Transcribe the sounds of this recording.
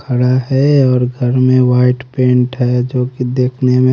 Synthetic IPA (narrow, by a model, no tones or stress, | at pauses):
kʰəɽaɦɛɔːɾɡʱəɾmẽwaːɪʈpẽːɳʈɦɛd͡ʒoːkid̪eːkʰnemẽ